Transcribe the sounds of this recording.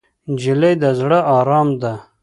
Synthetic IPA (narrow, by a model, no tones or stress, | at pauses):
d͡ʒilejd̪azɽəʔɑɾɑːmd̪a